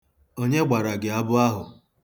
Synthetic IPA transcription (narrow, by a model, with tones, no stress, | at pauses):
o˦ɲe˦ɡ͡ba˨ɾa˨ɡɪ˨a˦bʊ˦a˦ɦʊ˨